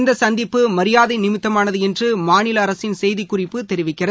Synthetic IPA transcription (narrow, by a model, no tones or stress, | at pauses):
nd̪ɐsɐnd̪ɪpːɯmɐɾɪjaːðɐɪnɪmɪt̪ːɐmaːnɐðɯɛndrɯmaːnɪlɐːɾɐsɪnsɛjðɪkːʊrɪpːɯt̪ɛɾɪʋɪkːɪrɐð